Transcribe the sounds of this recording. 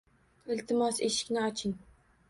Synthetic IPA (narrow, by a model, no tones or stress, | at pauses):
ɪlt̪ʰɪmɑseʃɪ̥kʲnɪɑt͡ʃʰɪŋ